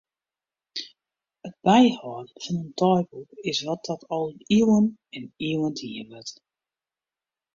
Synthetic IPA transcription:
əd̚bɛjhɔːnfɔnəntʰɔjbukɪsʋɔt̚dɔtʰɔlˠiwənɛniwəntʰiəʋət

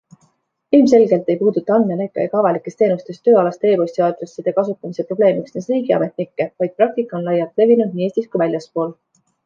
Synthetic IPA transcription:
ilmse̞lɡe̞lt̪ːˑe̞jpuːd̪ut̪ːˑɑɑnme̞lejkːˑejɑ̰kɑvɑlikːˑe̞st̪e̞ːnust̪e̞st̪ːøːɑlɑst̪e̞ːpo̞sʲt̪iɑd̪̥ɾe̞sːid̪̥e̞kɑsut̪ːˑɑmise̞pro̞b̥le̞ːmiksnesriːɡiɑ̰me̞t̪ˑnikːe̞vɑjd̪̥̚prɑk̚t̪ikːˑɑo̞nlɑjːɑlt̪ˑle̞vinud̪̚niːe̞ːsʲt̪iskujvælʲjɑspo̞ːl

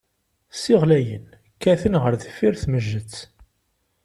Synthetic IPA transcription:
sɪʁlæjə̰n | kːæθənʁəɾðəfːiɾθməʒːət͡sː

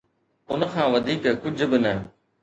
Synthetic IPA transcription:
ʊnə̆kʰãːʋɐd̪ʱiːkkʊd͡ʑ̆ʱbɪnɐ

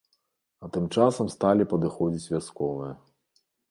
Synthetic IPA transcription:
ɐt̪ɨmt͡ʂasɐmst̪alʲipɐd̪ɨxɔd͡zʲit͡sʲvʲaskɔvɨjɐ

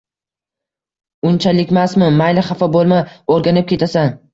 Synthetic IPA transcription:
ʊnt͡ʃʰalɪkʲmasmɪmajlɪχafɒbolˠmaoɾɡʲanɪp̚kʲʰe̞t̪ʰasan

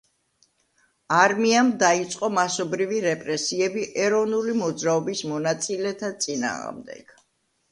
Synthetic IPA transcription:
aɾmiamd̪ait̪sʼqʼɔmasɔbɾiviɾɛpʼɾɛsiɛbiʔɛɾɔvnulimɔd̪zɾaɔbismɔnat̪sʼilɛt̪ʰat̪sʼina̰ːʁmd̪ɛ̰ɡ̥

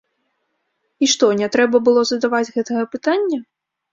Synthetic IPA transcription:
iʂt̪ɔnʲɛt̪ɾɛbɐbɨlˠɔzɐd̪avad͡zʲɣɛt̪ɐɣɐpɨt̪anʲːɐ

